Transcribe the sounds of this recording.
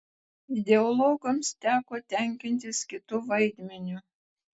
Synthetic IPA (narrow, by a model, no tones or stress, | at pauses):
ɪd̪ʲɛɔlˠɔɡomst̪ʲæːkoːt̪ʲɛˑŋʲkʲɪnʲt̪ʲɪskʲɪt̪uːʋɐɪd̪ʲmʲɛnʲʊ